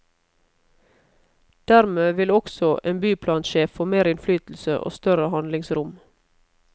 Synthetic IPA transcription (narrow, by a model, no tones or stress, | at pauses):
d̪̥æɾmeːʋɪlɔksɔʔeːnbyːpʰlɑːnʃeːffoːmeːɾɪnflyːt̪l̩sə̰ʔo̰ːst̪œɾəhɑnlɪŋsɾʊm